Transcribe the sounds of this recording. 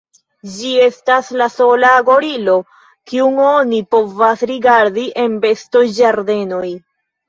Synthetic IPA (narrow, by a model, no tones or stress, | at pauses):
d͡ʒie̞staslaso̞laːɡo̞ɾilo̞ | kiuŋo̞nipo̞vasɾiɡaɾdiʔe̞nbe̞sto̞jd͡ʒaɾde̞no̞j